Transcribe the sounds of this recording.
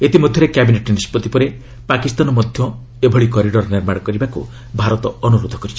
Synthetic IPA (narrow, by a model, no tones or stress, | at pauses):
et̪imɔd̪ʱjɔɾekabineʈnispɔt̪ipɔɾe | pakist̪anɔmɔd̪ʱjɔ | ebʱɔɭikɔɾiɖɔɾniɾmaɽɔkɔɾibakṵ | bʱaɾɔt̪ɔɔnuɾod̪ʱɔ̥kɔɾit͡ʃʰi